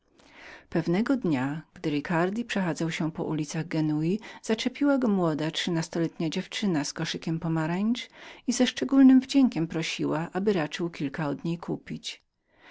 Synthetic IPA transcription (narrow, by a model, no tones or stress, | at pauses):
pɛvnɛɡɔd̪ɲaɡ̥d̪ɘɾikaɾd̪ʲipʂɛxad̪zawɕɛpɔ̰ʔulʲit̪saɣɡɛnujiz̥at͡ʂɛpʲiwaɡɔmwɔd̪atʂɨnast̪ɔlɛt̪ɲad͡ʑɛft͡ʂɘnaskɔʂɘkʲɛmpɔmaɾɛɲʲt͡ʂizɛʂt͡ʂɛɡulnɘmvd͡ʑɛŋkʲɛmpɾɔɕiwaʔabɘɾat͡ʂɘwkʲilkaɔd̪ɲejkʰupʲit͡ɕ